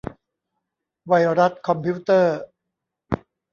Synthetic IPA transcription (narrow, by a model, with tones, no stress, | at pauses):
wa˧jɾa˦˥t̪̚kʰɔ˧mpʰi˦˥t̪ɤː˥˩